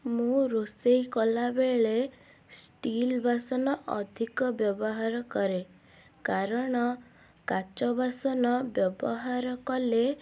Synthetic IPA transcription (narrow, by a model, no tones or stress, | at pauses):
mũɾosejkɔlabeɭe | sʈilbʱasɔnɔʔɔ̰d̪ʱikɔbjɔbɔɦaɾɔkɔɾe | kaɾɔɽ̃ɔ | kat͡ʃɔbʱasɔnɔbjɔbɔɦaɾɔkɔle